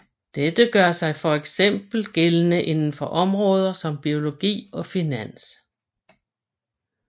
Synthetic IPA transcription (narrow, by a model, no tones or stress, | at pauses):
d̥ed̥əɡ̥ɶɐsɑ̈ɪfɒ̽eɡ̥sem̰b̥l̩ɡ̥e̝lənəʔe̝nn̩fɒ̽ʔɒ̽mʁɔ̽ːð̞ˠɐsɒ̽mb̥io̝lo̝ɡ̥ḭːɒ̽finæn̰s